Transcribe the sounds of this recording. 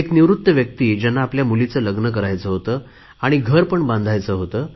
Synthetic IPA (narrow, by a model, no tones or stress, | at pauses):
ekniʋɾut̪ːəʋjək̚t̪iːd͡ʑanːaːpljamulit͡səːləɡnək̬əɾajt͡səɦot̪əː | aɽ̃iɡʱəɾpəɳbãnd̪ʱajt͡səɦot̪əː